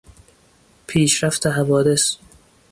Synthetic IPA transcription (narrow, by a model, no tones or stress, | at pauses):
pʰiːʃɾæft̪ʰeɦævɒːd̪e̞s